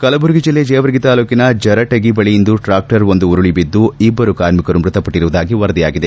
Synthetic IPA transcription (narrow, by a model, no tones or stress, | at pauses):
kɐlɐbuɾɡid͡ʒilːed͡ʒɛːʋɐɾɡit̪aːluːkinɐd͡ʒɐɾɐʈɐɡibɐɭijind̪uʈɾaːk̚ʈɐɾond̪uuɾuɭibid̪ːuibːɐɾukaːɾmikɐɾumɾut̪ɐpɐʈːiɾuʋud̪aːɡiʋɐɾɐd̪ija̰ːɡid̪e